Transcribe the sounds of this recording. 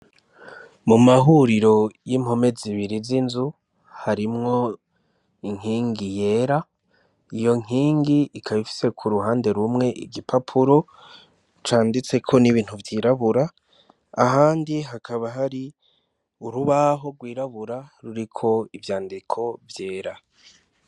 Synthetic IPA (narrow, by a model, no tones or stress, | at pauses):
mumaɦuɾiɾo̞jim̥ho̞me̞ziβiɾizinzu | haɾimŋo̞ | iŋ̥hiːŋɡije̞ɾa | ijo̞ŋ̥iːŋɡiːkʰaβifi̥se̞kʰuɾuɦaːnde̞ɾumŋe̞ʔḭɡipʰapʰuɾo̞ | t͡ʃaːndit͡se̞kʰo̞niβiːn̥huvjiːɾaβuɾaː | ɦaːndiɦakʰaβaɦaɾi | uɾuβaɦo̞ɡwiːɾaβuɾaɾuɾikʰo̞ivjaːndikʰo̞vje̞ːɾa